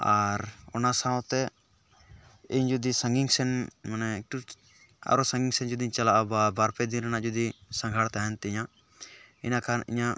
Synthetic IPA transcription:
aɾɔnasãwt̪ɛ | iɲd͡ʒud̪isaŋɡiŋsɛnmanɛik̚ʈu | a̰ɾɔsãŋɡiŋsɛnd͡ʒud̪iɲt͡ʃalaʔababaɾpɛd̪inɾanaʔd͡ʒud̪isãŋɡʱaɽt̪aɛnt̪ɛiɲaʔ | inakanḭɲaʔ

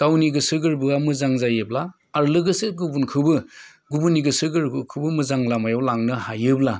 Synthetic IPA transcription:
ɡ̥awniɡɯsɯɡɯɾbɯamɯzaŋzajɯblaː | ɾlɯɡɯsɯɡubunkʰɯbɯ | ɡubuniɡɯsɯɡɯɾɡɯkʰɯbɯmɯzaŋlamajawlaŋnɯhajɯbla

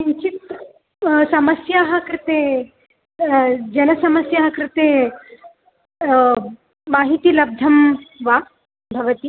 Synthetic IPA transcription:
iɲt͡ʃit̪ | sɐmɐsjaːɦɐ̆kɾɪt̪eː | d͡ʒɐnɐsɐmɐsjaːɦɐkɾɪt̪eː | maːɦit̪iːlɐb̚d̪ʱɐmʋaː | bʱɐʋɐt̪i

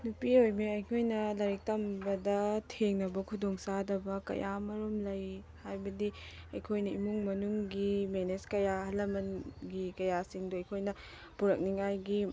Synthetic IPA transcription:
nupiojmeɐjkʰojnɐlɐɾik̚tɐmbɐdɐtʰeŋnɐbɐkʰudoŋsadɐbɐkɐ̰jʔamɐɾumlɐj | hajbɐdi | ɐjkʰojnɐimuŋmɐnuŋɡimeneskɐjahɐlːɐmɐnɡikɐjasiŋduɐjkʰojnɐ | puɾɐk̚niŋajɡi

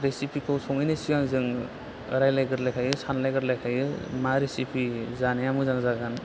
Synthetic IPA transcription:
ɾesipʰikʰɯwsʰɔŋɯjnɯsiɡaŋzɯŋ | ɯɾajlajɡɯɾlajkʰajɯsanlajɡɯɾlajkʰajɯmaɾesipʰizaneamɯzaŋzaɡan

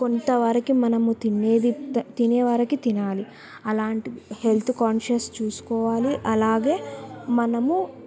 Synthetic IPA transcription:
ko̞nt̪ɐʋɐɾɐkimɐnɐmut̪ineːd̪iɐt̪inɛːʋɐɾɐkit̪inaːli | ɐlaːɳʈihelt̪ʰukaːnʃɐst͡ʃuːsu̥kɔːʋaːliʔɐlaːɡeːmɐnɐmu

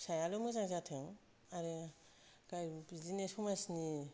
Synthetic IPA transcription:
sajalomɯzaŋzatʰeŋ | aɾe | kajbizinesʰumasni

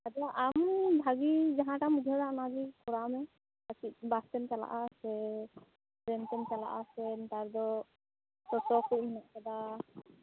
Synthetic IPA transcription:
ad̪ɔʔambʱaɡid͡ʒaɦãʈamud̪ʱɔɾanad͡ʒikɔɾamɛ | at͡ʃit̪̚bast̪ɛnt͡ʃala̰ʔasɛ | ɾɛnt̪ɛnt͡ʃala̰ʔasɛnt̪aɾd̪ɔ | sɔsɔkut̚minaʔkad̪a

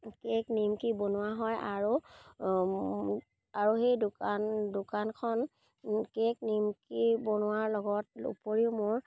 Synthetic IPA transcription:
keknimkibonʊwaɦɔjaɹu | aɹuxejdʊkandʊkankʰɔn | kek̚nimkibonʊwaɹlɔɡɔt̚ṵpoɹiʊmʊɹ

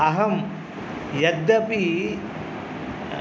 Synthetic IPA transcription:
ɐɦɐm | jɐd̪ːɐpi

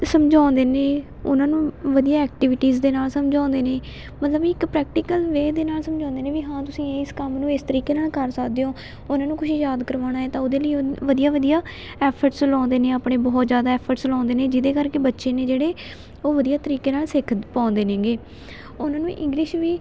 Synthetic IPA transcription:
səmd͡ʒãːnd̪eːneː | ʊnãːnũːʋəd̪ijaːɛːk̚ʈiːʋɪʈiːzd̪eːnaːlsəmd͡ʒãːnd̪eːneː | mət̪ləbiɪkpɾɛːk̚ʈiːkəlʋeːd̪eːnaːlsəmd͡ʒãːnd̪eːnẽːʋiːɦãːt̪ʊsĩːɪskəmnũːɪst̪əɾiːkeːnaːlkəɾsəkʰd̪eːõː | ʊnãːnũːkʊʃjaːd̪kəɾʋaːñaːɛːt̪ãːʊd̪eːləiːʋəd̪ijaːʋəd̪ijaː | ɛːpʰəɾʈslãːnd̪eːnẽːaːpɳeːbɔːt̪zjaːd̪aːɛːpʰəɾʈslãːnd̪eːneːd͡ʒɪd̪eːkəɾkeːbətːʃeːneːd͡ʒeːɽeː | oːʋəd̪ijaːt̪əɾiːkeːnaːlsɪkʰpãːnd̪eːnẽːɡeː | ʊnãːnũːʔɪ̰̃ŋɡlɪʃʋiː

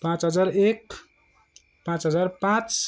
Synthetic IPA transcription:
pãt͡sɦʌd͡zaɾek̚ | pãt͡sɦʌd͡zaɾpãt͡s

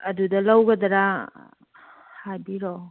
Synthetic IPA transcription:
ɐdudɐlawɡɐd̪ɐɾa | hajbiɾo

